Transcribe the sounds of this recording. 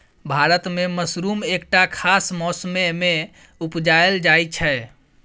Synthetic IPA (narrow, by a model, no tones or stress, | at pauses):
bʱaɾət̪meməsɾumekʈakʰasmɔsmeme | upd͡ʒaeld͡ʒajt͡ʃʰɛ